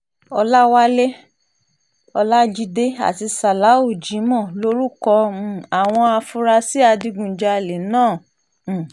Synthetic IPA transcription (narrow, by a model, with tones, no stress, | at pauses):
ɔ˧la˦wa˦le˦ | ɔ˧la˦d͡ʒi˧de˦a̰˨ti˧sa˨la˨˦u˦˨d͡ʒĩ˨˦mɔ̃˦˨lo˦ɾu˦kɔ˧˨˧a˨w̃ɔ̃˧a˧fu˧ɾa˧si˦a˧di˧ɡũ˨d͡ʒa˧˨le˨nãː˦˨